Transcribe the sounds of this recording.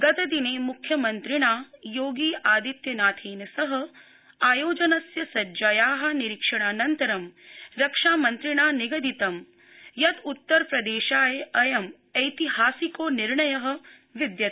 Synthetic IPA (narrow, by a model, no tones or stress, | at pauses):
ɡɐt̪ɐd̪ineːmukʰjɐmɐnt̪ɾiɳaːjoːɡiːʔaːd̪it̪jɐnaːt̪ʰiːnɐsɐɦɐ̆ | aːjoːd͡ʒɐnɐsjɐsɐd͡ʒɐjaːɦɐ̆niɾikʂɐɳ̃aːnɐnt̪ɐɾɐmɾɐkʂaːmɐnt̪ɾiɳ̃aːniɡɐd̪it̪ɐm | jɐt̪ut̪ːɐɾpɾɐd̪eːʃaːjeɐjɐm | ɐjt̪iɦaːsikoːniɾɳɐjɐɦɐ̆ | ʋid̪jɐt̪